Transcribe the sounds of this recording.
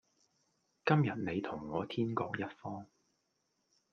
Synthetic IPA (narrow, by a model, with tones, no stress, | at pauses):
kɐ˥mjɐ˨t̚ne˨˧jt̪ʰʊ˨˩ŋːɔː˨˧t̪ʰiː˥nkɔː˧k̚jɐ˥t̚fɔː˥ŋ